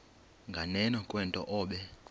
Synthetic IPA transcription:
ŋɡʱanɛnɔkʼwɛntʼɔ̰ʔɔːɓɛ

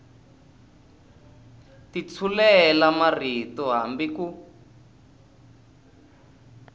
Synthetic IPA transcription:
tit͡sʰulɛlamaritɔɦambiku

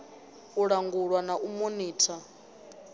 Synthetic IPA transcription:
uɺaŋɡuɺwanaʔumuniːtʰa

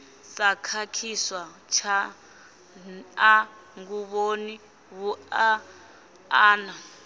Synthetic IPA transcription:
sakʰakʰiswat͡ʃʰa | a | ŋɡuβoni | wua | aːna

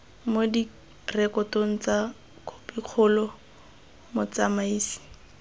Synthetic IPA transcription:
modi | rɛkɔtoŋ̩t͡sa | kʰo̥piq͡χʰʊlɔ | mʊt͡samaiːsi̥

